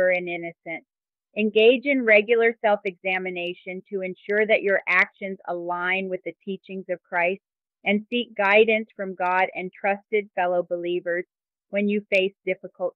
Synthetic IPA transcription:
ə˞ɨ̃nɪ̃nɨsɨ̃nt | ɨ̃nɡeɪd͡ʒɨ̃nɹɛɡjl̩ˠə˞sɛlˠfɨɡzæmɨneɪʃɨ̃ntʰɨɨ̃nʃʊɹðɨt͡ʃə˞ʔækʃɨ̃nzə̰lãɪ̃nwɨðɨtʰit͡ʃɪ̃ŋzʌv̥kʰɹ̥aɪst | ɨ̃nsik̚ɡ̥aɪdⁿn̩sfɹʌ̃mɡɑɾɨ̃ntʰɹ̥ʌstɨd̥fɛlˠoʊbəlivə˞z̥ | wɨ̃njɨfeɪsd̥ɪfəkəl̩ˠt

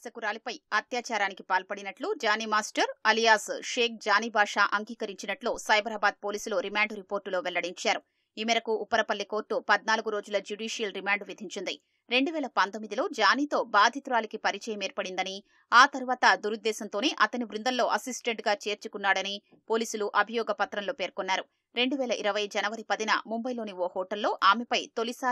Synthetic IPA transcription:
sɐkuɾaːlɐpɐjɐt̪jaːt͡ʃaːɾaːnikipaːlpɐɽinɐʈlud͡ʒaːniːmaːsʈɐɾɐlijaːsʂeːk̚d͡ʒaːniːbʱaːʂaːʔɐŋɡiːkɐɾiɲt͡ʃinɐʈloːsɐjbɐɾaːbaːd̪̚po̞ːliːsuloːɾimaːɳɖɾipo̞ːɾʈːlo̞ːʋɛlːɐɽiɲt͡ʃaːɾu | iːmiɾɐkuʔːpːɐɾɐpɐlːiko̞ːɾʈːupɐd̪̚naːluɡuɾo̞ːd͡ʒulɐd͡ʒuɖiːʂijɐlɾimaːɳɖʋid̪ʱiɲt͡ʃind̪ḭ | ɾe̞ɳɖuʋɛːlɐpɐnt̪omːid̪ilo̞ːd͡ʒaːniːt̪o̞ːbaːd̪ʱit̪uɾaːlikipɐɾit͡ʃɛːjɐmeːɾpɐɽind̪ɐni | aːt̪ɐɾuʋaːt̪ɐd̪uɾud̪ːɛːsɐnt̪o̞ːneʔɐt̪ɐniʋɾund̪ɐlːo̞ːʔɐsisʈeɳʈɡaːt͡ʃe̞ːɾt͡ʃukunːaːɽɐni | po̞ːliːsuluʔɐbʱijɔːɡɐpɐt̪ɾɐmlo̞ːpe̞ːɾkonːaːɾu | ɾe̞ɳɖuʋɛːlɐʔiɾɐʋɐjd͡ʒɐnɐʋɐɾipɐd̪inɐ̰mumbɐjlo̞ːnioːhɔːʈɐlːo̞ːʔaːmɛpɐjt̪o̞lisaː

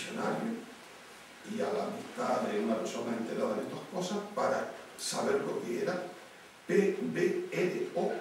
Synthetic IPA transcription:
sona̰ɾjo | ialaβiht̪aðeunapeɾsonaẽnt̪eɾaðanet̪ohkosahpaɾasaβeɾlokeeɾa | pebeeleo

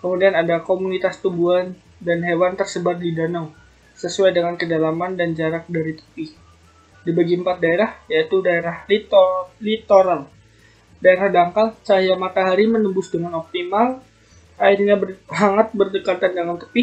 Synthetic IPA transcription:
kəmudianadakomunit̪ast̪ubuan | danɦewant̪ərsəbat̪̚didanaw | səsuajdəŋankədalamandand͡ʒaɾak̚daɾit̪ə̥pɪh | dibaɡiəmpat̪̚daeɾahjait̪udaeɾahlit̪olit̪oɾal | daeɾahdaŋkalt͡ʃaɦijamat̪aɦaɾimənəmbʊsdəŋanɔp̚t̪imal | airɲabsaŋat̪̚bərdəkat̪andəŋant̪ə̥pɪ

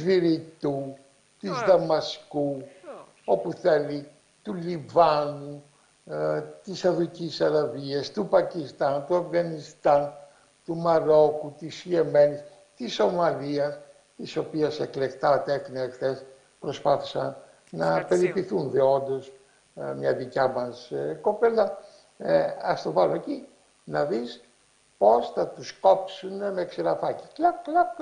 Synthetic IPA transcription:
viɾit̪u | t̪izðɐmɐsku | o̞puθeli | t̪ulivɐnu | t̪isɐðuicisɐɾɐviɐst̪upɐcist̪ɐnt̪uɐfɣɐnist̪ɐn | t̪umɐɾo̞kut̪isieme̞nis | t̪iso̞mɐliɐs | t̪iso̞piɐse̞kle̞kt̪ɐt̪eθinɐekθe̞s | pɾo̞spɐθi̥sɐn | nɐpe̞ɾipiθunðeo̞nd̪o̞s | mɲɐðicɐmɐsko̞pelɐ | ɐst̪o̞vɐloeci | nɐðis | po̞sθɐt̪usko̞psunemeksiɾɐfɐciklɐklɐ

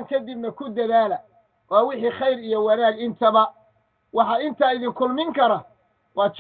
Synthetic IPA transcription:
ŋkʰɐd̪ɪbnɐkʰʊd̪ɐðaːlɐ | wɑːwɪħiːχɑjɾijɔwɑnaːɡɪnt̪ʰɐβɐ | wɑħɑɪnt̪ʰaːɪðɪŋkʰʊlmɪŋkʰɐɾɐ | wɑːt͡ʃ

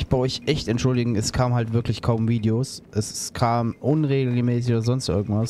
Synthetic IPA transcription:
çb̥aɪʔɔʏçʔɛçtɛntʃʊldɪɡŋ̩ɛskʰaːmhaltv̥ɪɐklɪçkʰaʊmviːdeoːsʔɛskʰaːmʔʊnʁeːɡl̩ɡləmɛːs̬ɪçoːdɐzɔnstʔɪ̰ɐɡŋ̩tv̥as

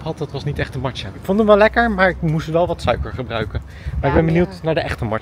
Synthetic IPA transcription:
pɦɑt̚dɑtʋɑsnitɛχtəmɑɹt͡ʃəkfondənʋɛlɛkəɹmaːɹɪkmustʋɛlˠʋɑtsœɥkəɹχəbrœɥkən | maːɹɪɡ̚bɛnbəniwtnaːɹdəʔɛχtəmɑ

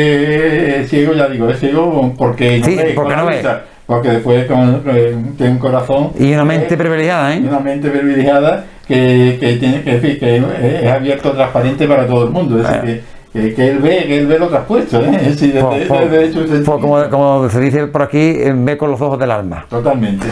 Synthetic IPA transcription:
eeeθjeɣoʝaðiɣoehθjeɣopoɾkenosiβepoɾkenoβesa | poɾke̞ðehpweko | t̪jenuŋko̞ɾaθõŋiunamẽnt̪epɾiβilehjaðaẽunamẽnt̪epɾiβilehjaða | keket̪jenekeɱfikeeesaβje̞ɾt̪ot̪ɾahpaɾẽnt̪epaɾat̪̬oðoelmũnd̪oeðeθḭke | kekeelβekeelβe̞lot̪ɾahpwe̞ht̪oeðesiðeepeðeet͡ʃusepokomokomoseðiθepoɾakibekonlosohoðelalma̰t̪ot̪almẽnt̪e

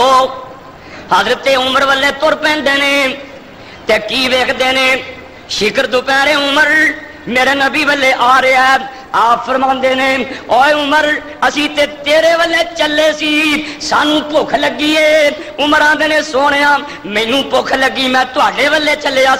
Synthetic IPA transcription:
oː | haːzɾət̪eːʊməɾʋəlːeːt̪oɾpɛ̃ːnd̪eːneː | t̪eːkiːʋeːkʰd̪eːneː | ʃɪkəɾd̪ʊpɛ̃ːɾeːʊməɾ | meːɾeːnəbiːʋəlːeːʔaːɾeːɛː | aːpfəɾmãːnd̪eːneːoːeʊməɾ | əsĩːt̪eːt̪eːɾeːʋəlːeːt͡ʃəlːeːsiːsaːnũːpoːkʰləɡiːeː | ʊməɾãːnd̪eːneːsoːɽ̃eːãː | mẽːnũːpoːkʰləɡːiːmɛ̃ːt̪ʊɦaːɖeːʋəlːeːt͡ʃəleːaː

